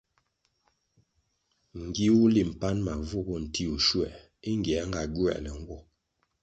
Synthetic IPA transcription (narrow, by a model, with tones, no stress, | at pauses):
ŋ̩˨ɡi˦wu˦li˨m̩˨pa˦nma˨vu˦˨bɔ˦n̩˨ti˦u˨ʃwɛ̰˨ʔ | i˦ŋ˦ɡjɛ˨˦ŋɡa˨ɡwɛ̰˨ʔlɛ˨ŋ̩˦ɡwɔ˦